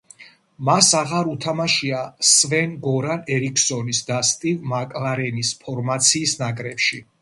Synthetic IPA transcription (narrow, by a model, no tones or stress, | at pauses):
masaʁaɾut̪ʰamaʃiasvɛnɡɔɾanɛɾikʰsɔnisd̪ast̪ʼivmakʼlaɾɛnispʰɔɾmat̪sʰiːsnakʼɾɛpʃi